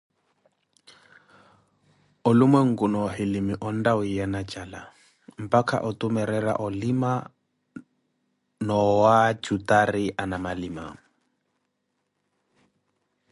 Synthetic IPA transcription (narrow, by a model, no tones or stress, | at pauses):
ʊlʊmwɛŋ̩kunɔhɪlimiʔɔn̩dawijanat͡ʃʼala | m̩pʼakʰa̰ʔɔtʼumɛɾɛra̰ʔɔlima | nɔwat͡ʃutʼariʔanamalima̰ŋ̩